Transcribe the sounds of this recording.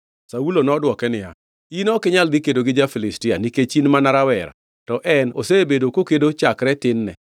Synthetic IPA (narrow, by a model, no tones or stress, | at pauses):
saulonɔdwɔkɛnɪja̰ | inɔkɪɲaldikedoɡɪd͡ʒafilɪstɪaniket͡ʃinmanaɾawɛɾa̰ | tɔʔɛno̰sebedokokedot͡ʃakɾɛtɪnːɛ̰